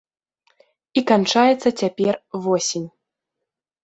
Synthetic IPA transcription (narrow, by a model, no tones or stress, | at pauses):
ikant͡ʂajɛt̪sːɐt͡sʲapʲɛrvɔsʲinʲ